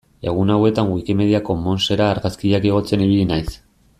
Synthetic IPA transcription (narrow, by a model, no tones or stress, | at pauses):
e̞ɣ̞unawe̞t̪aŋwikime̞ðiako̞mo̞nse̞ɾaːɾɣaskiʎakeɣ̞o̞t͡se̞niβ̞ilinajs